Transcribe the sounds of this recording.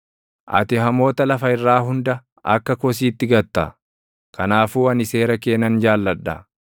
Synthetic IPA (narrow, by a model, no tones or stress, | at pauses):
ʔɐ̰t̪ɪɦɐmo̞ːt̪ɐlɐfɐɪrːaːɦʊnd̪ɐ | ɐ̰kːɐkɔs̬iːt̪ːɪɡɐt̪ːɐ̰ | kɐnaːfuːɐnɪse̞ːɾɐke̞ːnɐnd͡ʒaːlːɐᶑːɐ